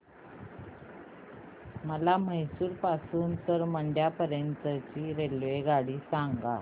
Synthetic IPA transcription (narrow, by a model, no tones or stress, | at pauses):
məlaməjsuːɾpasuːnt̪əɾməɳɖjapəɾjənt̪ət͡ɕiːɾelʋeɡaɽiːsaŋɡa̰